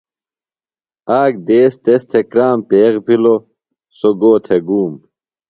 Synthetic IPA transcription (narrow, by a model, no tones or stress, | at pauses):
aːk̚d̪eːst̪est̪ʰekɾaːmpeːɣpʰilo | soɡoːt̪ʰeɡuːm